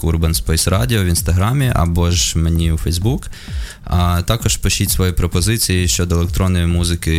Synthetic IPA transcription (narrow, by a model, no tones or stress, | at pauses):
kurbenspɔjsɾɑdʲiɔʋinst̪ɐɦɾɑmʲiʔɐ̰bɔʒmenʲiwfɛjzbuk | ɐt̪ɑkɔʒ̥pɔʃitʲsʋɔjipɾɔpɔzɪt͡sʲijiʃt͡ʃɔd̪ɔelˠek̚t̪ɾɔnːɔjʊmuzɪkɪ